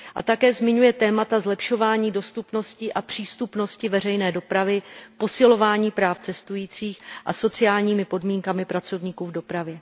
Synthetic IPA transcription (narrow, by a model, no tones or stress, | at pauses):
ʔa̰t̪akɛːzmɪɲujɛt̪ɛːmat̪azlɛpʃo̞vaːɲiːdo̞st̪upno̞scɪʔapr̝̥iːst̪upno̞scɪvɛr̝ɛjnɛːdo̞pɾavɪpo̞sɪlovaːɲiːpɾaːft͡sɛst̪ujiːt͡siːxʔa̰so̞t͡sɪjaːlɲiːmɪpo̞dmiːŋkamɪpɾat͡so̞vɲiːkuːvdo̞pɾavjɛ